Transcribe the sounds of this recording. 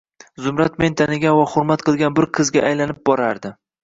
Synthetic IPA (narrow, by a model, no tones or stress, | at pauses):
zʊmɾat̪me̞nt̪ʰanɪɡʲanvaχʊɾmat̪qʰɨlˠɡʲanbɪɾqʰɨzɡʲa̰ʔajlanɪp̚bɒɾaɾd̪ɪ